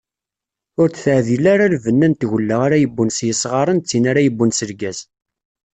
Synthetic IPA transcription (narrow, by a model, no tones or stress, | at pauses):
ʊɾt͡sθəʕðilaɾalvənːænt̪ʝəlːəʁaɾajəbːunsjəsˤʁɑɾˤənt͡sːinaɾajəbːunsəɾɡæz